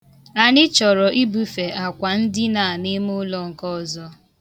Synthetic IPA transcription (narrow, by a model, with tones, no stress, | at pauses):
a˨nɪ˦t͡ʃɔ˨ɾɔ˨ʔi˦bu˦fe˨a˨kʷa˨n̩˦dɪ˦na˨nɪ˦mʊ˦lɔ˦ŋ̩˨kɔ˦˨zɔ˦